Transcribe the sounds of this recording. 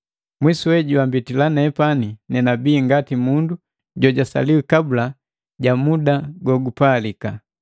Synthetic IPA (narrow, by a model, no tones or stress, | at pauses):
mwisuwɛɟuwambitilanɛpaninɛnabiːŋɡatimundu | ɟɔɟasa̰liwikabula | ɟamudaɡɔɡupalika